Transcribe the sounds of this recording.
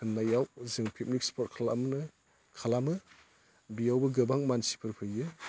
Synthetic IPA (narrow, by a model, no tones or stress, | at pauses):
ɯnːajawzɯŋpʰep̚nik̚spʰɔt̚kʰalamnɯ | kʰalamɯ | bijawbɯɡɯbaŋmansi̥pʰɯɾpʰɯjɯ